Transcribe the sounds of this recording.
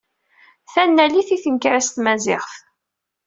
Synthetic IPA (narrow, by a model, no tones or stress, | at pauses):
θænːæliθiθənkɾæst̪mæzɪ̰ʁθ